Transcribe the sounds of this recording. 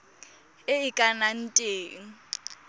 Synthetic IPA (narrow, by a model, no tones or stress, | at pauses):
ɪɪkʼanan̩tʼeːŋ̩